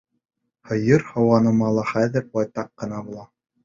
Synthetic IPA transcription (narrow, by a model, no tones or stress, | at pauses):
hɤ̆jɤɾhɤ̆wɑnɤ̆mɑlˠɑχæðɘ̆ɾbɒjt̪ɑqːɤ̆nɑbulˠɑ